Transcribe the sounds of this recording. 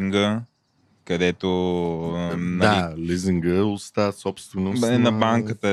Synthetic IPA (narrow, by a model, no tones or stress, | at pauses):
ŋɡə | kɐd̪ɛt̪o | nd̪aliziŋɡəost̪asɔpst̪venoɛnɐbaŋkət̪ə